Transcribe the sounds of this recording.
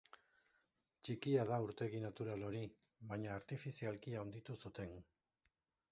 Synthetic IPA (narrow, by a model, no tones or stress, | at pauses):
t͡ʃikiaðauɾt̪e̞ɣinat̪uɾalo̞ɾi | βaɲaːɾt̪ifisialkiaond̪it̪usut̪e̞n